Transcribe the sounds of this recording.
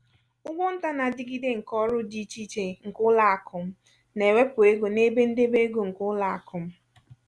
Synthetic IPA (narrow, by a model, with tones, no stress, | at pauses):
ʊ˦ɡʷo˦n̩˦ta˦na˨dɪ˨˦ɡi˦de˦ŋ̩˨kɔ˦ɾʊ˦di˦t͡ʃi˦t͡ʃe˨ŋ̩˨kʊ˦la˨a˨kʰʊ˨m̩˦ | ne˨we˦pʊ˨e˦ɡo˨ne˦be˦n̩˦de˦be˦ɡo˨ŋ̩˨kʊ˦la˨a̰˨kʊ˨m̩˦